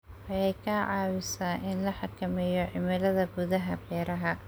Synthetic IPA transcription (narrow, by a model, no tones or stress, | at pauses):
ʔɐjɛjkʰɐʕɑːwɪsaːʔɪnlɐħɑkʰɐmɛjɔʕɪmɪlɐðɐɡʊðɐɦɐbɛːɾɐɦɐ